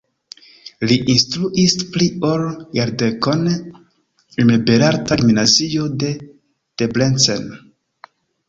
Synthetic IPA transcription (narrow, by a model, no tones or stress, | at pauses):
liʔinstɾuʔisplioljaɾdekon | imebeɾaɾtaɾminaziode̞ | teblent͡sḛn